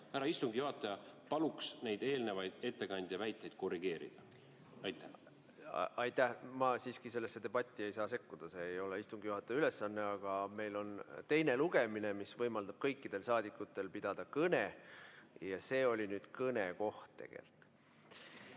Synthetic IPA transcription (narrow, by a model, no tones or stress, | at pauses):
hæɾɑist̪uŋɡ̥ijuhɑt̪ːˑɑjɑpɑluksne̞jd̪̥e̞ːlnevɑjd̪̥e̞t̪ːe̞kɑnʲd̪̥ʲɑvæjt̪ːˑejd̪̥̚ko̞riɡ̥e̞ːɾḭd̪̥ɑ | ɑjt̪ːˑæ | ʔɑjt̪ːˑæhmɑsiːskise̞lːesːe̞d̪̥e̞b̥ɑt̪ʲˑːie̞jsɑːse̞kːud̪̥ɑseːjo̞leist̪uŋɡ̥ijuɦɑt̪ːˑɑjɑyle̞sːɑnːe̞ɑɡ̥ɑme̞jlo̞nt̪e̞jne̞luɡ̥e̞minemisvɤjmɑld̪̥ɑb̥̚kɤjkːid̪̥e̞lsɑːd̪̥ikːˑut̪ːˑe̞lpid̪̥ɑd̪̥ɑkɤne | jɑse̞ːo̞lʲinyːd̪̥kɤneko̞ht̪ːe̞̰ɡ̥ḛlt̪ˑ